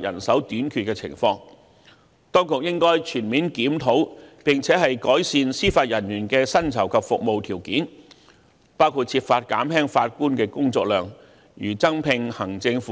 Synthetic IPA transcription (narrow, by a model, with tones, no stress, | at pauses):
jɐ̰˨˩nsɐ˨˥wt̪yː˨˥nkʰyː˨t̚kɛ˧t͡sʰɪ̰˨˩ŋfɔː˧ŋ | t̪ɔː˥ŋkʊ˨k̚jɪ˥ŋkɔː˥jt͡ʃʰyː˨˩nmiː˨nkiː˨˥mt̪ʰo˨˥wpɪ˨ŋt͡sʰɛː˨˥ɦɐ˨jkɔː˨˥jsiː˨˧nsiː˥faː˧t̚jɐ˨˩njyː˨˩nkɛː˧sɐ˥nt͡sʰɐ˨˩wkʰɐ˨p̚fʊ˨k̚mo˨wt̪ʰiː˨˩wkiː˨˥n | paː˥wkʰuː˧t̚t͡sʰiː˧p̚faː˧t̚kaː˨˥mhɛː˥ŋfaː˧t̚kuː˥nkɛː˧kʊ˥ŋt͡sɔː˧k̚lœː˨˩ŋ | jyː˨˩t͡sɐ˥ŋpʰɪ˨ŋhɐ˨˩ŋt͡sɪ˧ŋf